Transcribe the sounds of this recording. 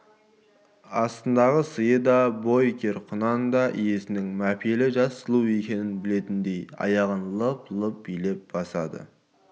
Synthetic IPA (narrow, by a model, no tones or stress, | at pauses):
ɑst̪ənd̪ɑʁəsəjəd̪ɑbo̞jkʲʰe̞ɾqʰʊnɑnd̪ɑʔije̞sɪnɪŋmæpʰelɪʒɑsːəlˠue̞kʲe̞nɪnbɪle̞t̪ɪnd̪e̞jɑ̰jɑʁənlˠəplˠəp̚bijle̞p̚bɑsɑd̪ə̰